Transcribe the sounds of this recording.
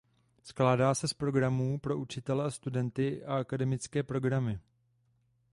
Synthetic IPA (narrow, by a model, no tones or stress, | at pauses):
sklaːdaːsɛspɾo̞ɡɾamuːpɾo̞ʔut͡ʃɪt̪ɛlɛast̪udɛnt̪ɪʔaakadɛmɪt͡skɛːpɾo̞ɡɾamɪ